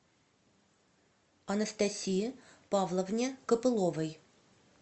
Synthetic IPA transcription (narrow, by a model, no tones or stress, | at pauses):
ɐnəst̪ɐsʲijəpɑvlˠəvnʲekəpɨlˠovəj